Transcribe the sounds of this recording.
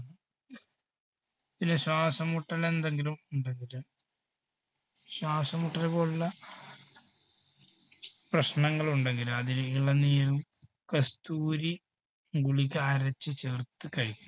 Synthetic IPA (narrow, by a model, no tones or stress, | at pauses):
ɐðinɨɕwaːsɐmuʈːɐle̞nd̪e̞ŋɡilumuɳɖeŋɡiɾu | ɕwaːsɐmuʈːɐlpoːɭːɐ | prɐɕnɐŋːɐɭuɳɖeŋɡiɾuɐðiniɭɐniːlum | kɐst̪uːɾi | ŋɡuɭikʲːaɾɐt͡ɕːɨt͡ɕert̪ːɨkːɐɻikʲːu